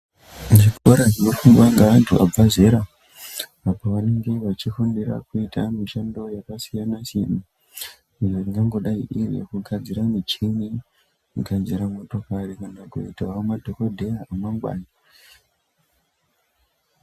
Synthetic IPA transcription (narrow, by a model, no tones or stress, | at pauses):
ʐikoɾaʐinofuŋɡwaŋɡaʋantʰua̰b͡vaze̞ɾa | apoʋane̞ŋɡe̞ʋat͡ʃifundira̰kuitʰa̰miʃando̞jakasijanasena | inoriŋɡaŋɡo̞ɗaḭʔir̰jḛkuɡʱad͡ziɾamit͡ʃini | ɡʱand͡ʒiɾamoto̞karekanaɡo̰itaomadʱokodʱe̞jaamaŋɡwa̰ːna